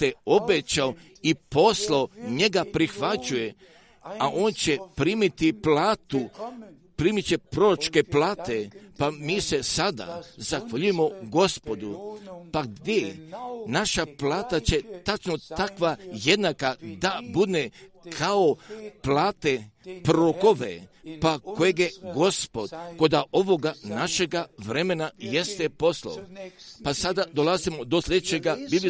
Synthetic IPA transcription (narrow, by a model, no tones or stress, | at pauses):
eo̞bet͡ɕao | ipo̞slˠaoɲe̞ɡapɾixʋat͡ɕuje | aʔo̞ːnt͡ɕe̞pɾiːmit̪iplaːt̪u | pɾiːmit͡ɕepɾo̞ɾot͡ʃke̞plaːt̪e̞pamiːse̞sad̪a̰zaxʋaʎujemo̞ɡo̞spo̞d̪upaɡd̪ʲjenaʃaplaːt̪at͡ɕe̞t̪at͡ʃnot̪akʋaje̞d̪nakad̪abud̪ne | kʰaoplaːt̪epɾoko̞ʋḛpako̞jeɡjeɡo̞spo̞d̪ko̞d̪aʔo̞ʋo̞ɡanaʃe̞ɡaʋɾe̞me̞najest̪epo̞sla̰opasad̪ad̪o̞lˠazimo̞d̪o̞slʎʲed̪et͡ɕeɡabib